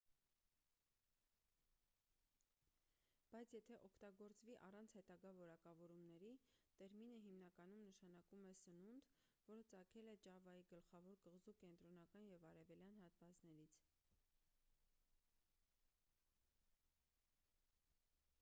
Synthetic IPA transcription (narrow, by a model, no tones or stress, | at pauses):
b̥ɑjt͡sʰjɛt̪ʰɛʔɔkʰt̪ɑɡɔɾt͡sviʔɑrɑnt͡sʰhɛt̪ɑɡɑvɔɾɑkɑvɔɾumnɛɾit̪ɛɾminəɦimnɑkɑn̪umnəʃɑnɑkumɛsənund̪ | vɔɾət͡sɑkʰɛlɛt͡ʃɑvɑiɡəlχɑvɔɾkəʁzukɛnt̪ɾɔnɑkɑnjɛvɑɾɛvɛljɑnhɑt̪vɑt͡snɛɾit͡sʰ